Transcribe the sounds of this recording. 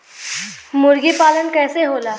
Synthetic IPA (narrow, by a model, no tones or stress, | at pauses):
mʊɾɡipaːlənkɛːseɦoːlaː